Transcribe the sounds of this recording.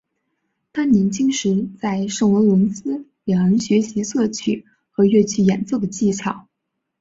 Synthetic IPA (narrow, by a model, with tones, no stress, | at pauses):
t̪a˥nni˧˥nt͡ɕi˥ŋʂɻ̩˧˥t͡sa˥˧ɪʂɤ˥˩ŋwə˧˥ŋlwə˧˥nsɹ̩˥ljɑ˨˩ə˧˥nɕɥɛ˧˥ɕi˧˥sɤ˥˧t͡ɕʰy̰˥˩˦ | xɤ˧˥ɥɛ˥˧t͡ɕʰy˥˩jɛ̰˨˩nt͡sɤ˥˩d̪ə˩t͡ɕi˥˩t͡ɕʰjɑ˨˩˦ʊ